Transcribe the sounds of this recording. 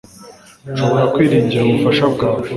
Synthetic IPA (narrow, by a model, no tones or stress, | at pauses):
ʃo̞βo̞ɾakwiːɾiːɲɟiɾauβufaʃabɡaːwe